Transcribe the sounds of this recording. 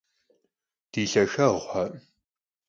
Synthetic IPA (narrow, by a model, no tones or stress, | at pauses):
d̥iːɬɐʃɐʁʷħɐ